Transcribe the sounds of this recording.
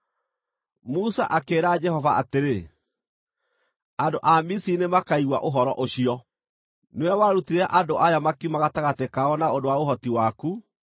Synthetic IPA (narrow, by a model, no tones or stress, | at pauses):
musa̰ʔakeːɾad͡ʒɛhɔvaateɾe | andoʔamisinemakaiɣwaʔoɦɔɾɔʔoɕiɔ | neɛwaɾutiɾaʔandoʔajamakiumaɣataɣatekaɔnaondowaoɦɔtiwaku